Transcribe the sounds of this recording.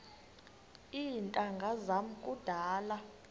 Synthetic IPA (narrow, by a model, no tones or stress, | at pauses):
intʼaŋɡʱazam̩kʼud̥ʱaːla